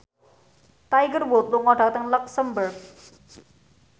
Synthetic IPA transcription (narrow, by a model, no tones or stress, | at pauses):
t̪ajɡərbot̪loŋɔʈʰak̚t̪əŋləksəmbərɡ̚